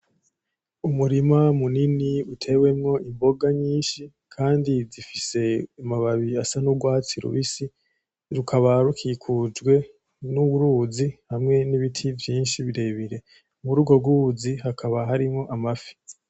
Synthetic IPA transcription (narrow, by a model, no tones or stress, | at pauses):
umuɾimamuniniutʰe̞we̞mŋo̞ʔimbo̞ɡaɲiːnʃi | kʰaːndizifise̞umaβaβiasanuɡwaːt͡siɾṵβisi | ɾukʰaβaɾukʰikʰud͡ʒɡwe̞ | nuβuɾuːzihamŋe̞niβitʰivjiːnʃiβiɾe̞ːβiɾe̞ | muɾuːɡo̞ɡuziɦakʰaβaɦaɾimŋo̞ʔamafi̥